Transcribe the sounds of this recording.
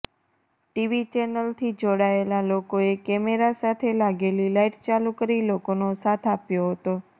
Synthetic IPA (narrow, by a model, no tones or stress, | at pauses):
ʈiʋit͡ʃɛnəlt̪ʰid͡ʒoɽaelalokoekɛmeɾasat̪ʰelaɡelilaiʈt͡ʃalukəɾilokonosat̪ʰapjoɦət̪o